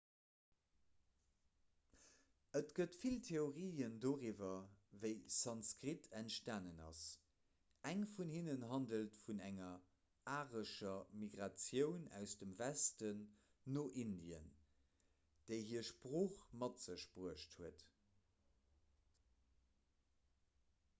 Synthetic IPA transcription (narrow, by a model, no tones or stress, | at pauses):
ətɡ̥ətfiltʰeoʁiːəndoːʁiːvɐvəɪsɑnskʁitʰæntʃtaːnənɑ̰s | æŋfunhinənɦɑndəltfunæŋɐ | aːʁəʃɐmiɡʁɑt͡sjəʊnæ̰ʊsd̥əmvæstənː | oʔindiə̰n | d̥eɪɦiːɐʃpʁoːχmɑtz̥əʃpʁuəʃthuət